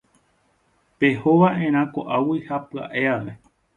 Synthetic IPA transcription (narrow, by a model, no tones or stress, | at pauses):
pe̞hoʋaʔẽ̞ɾ̃ãkoʔawihapɨa̰ʔeaʋe̞